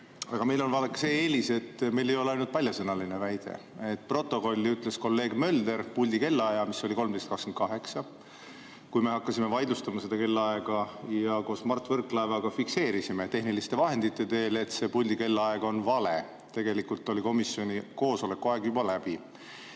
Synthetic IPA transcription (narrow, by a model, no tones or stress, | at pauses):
ɑɡ̥ɑme̞jlo̞nvɑlekːse̞ːeːliset̪ːˑme̞jle̞jo̞leɑjnult̪pɑljɑsɤnɑlinevæjd̪̥e̞̰ | et̪̚ːˑpro̞t̪ːˑo̞ko̞lʲːiyt̪ˑle̞sko̞lːe̞ːɡ̥mø̞ld̪e̞ɾpulʲd̪ike̞lːɑjɑmisːo̞lʲiko̞lm̥e̞st̪kɑkskent̪kɑɦe̞ksɑ | kujmeɦɑkːɑsime̞vɑjd̪lust̪ɑmɑse̞d̪̥ɑke̞lːɑeɡ̥ɑjɑko̞ːsmɑrt̪ːˑvɤrkːˑlɑevɑɡ̥ɑfikse̞ːɾisime̞t̪e̞ɦnilist̪e̞vɑɦe̞nd̪̥it̪ːe̞t̪e̞ːle̞t̪se̞pulʲd̪ike̞lːɑeɡ̥o̞nvɑle̞ | t̪e̞ɡ̥e̞likult̪ːˑo̞lʲiko̞misjo̞nʲiko̞ːso̞le̞kːuɑe̞ɡjubɑlæb̥i